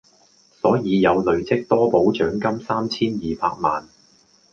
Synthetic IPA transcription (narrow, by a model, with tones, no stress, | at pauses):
sɔː˨˥jiː˨˧jɐ˨˧wlɵ˨˩ɥt͡sɪ˥k̚t̪ɔː˥po˨˥wt͡ʃœː˨˥ŋkɐ˥msaː˥mt͡sʰiː˥njiː˨˧pa̰ː˧k̚ma̰ː˨n